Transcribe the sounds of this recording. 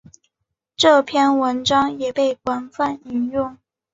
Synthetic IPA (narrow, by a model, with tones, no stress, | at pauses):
ʈ͡ʂɤ˥˧pʰjɛ˥˧nwə˧˥nʈ͡ʂɑ˥ŋjɛ˨˩pe˥˩ɪkwa˧˥nfa˥˩ni˧˥ŋjʊ˥˩ŋ